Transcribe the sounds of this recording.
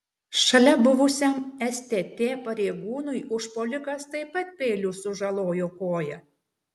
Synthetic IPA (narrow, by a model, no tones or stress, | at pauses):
ʃɐlʲɛbʊʋʊsʲɛmɛsʲt̪ʲeːt̪ʲeːpɐɾʲeːɡuːnʊɪʊʃpɔːlʲɪkɐst̪ɐɪpɐt̪̚pʲeːlʲusʊʒɐlˠoːjoːkoːjɛ